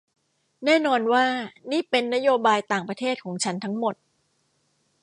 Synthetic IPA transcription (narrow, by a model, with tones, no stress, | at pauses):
nɛː˥˩nɔː˧nwaː˥˩niː˥˩pe˧nːa˦˥joː˧baː˧jt̪aː˨˩ŋpɾa˧t̪ʰeː˥˩t̪̚kʰɔː˩˦ŋt͡ɕʰa˦˥nt̪ʰa˦˥ŋmo˨˩t̪̚